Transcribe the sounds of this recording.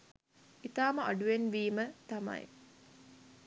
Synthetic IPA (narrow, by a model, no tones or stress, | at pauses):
it̪aːməʔɐ̰ɖuʋenʋiːmət̪amɐ̰j